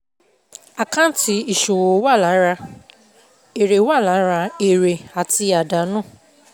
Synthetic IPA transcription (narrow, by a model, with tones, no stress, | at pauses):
a˨kã˦ti˧i˨ʃo˨wo˨˦wa˦˨la˨˦ɾa˧ | e˨ɾe˨˦wa˦˨la˨˦ɾa˧e˨ɾe˨a˨ti˧a˨da˨˦nũ˦˨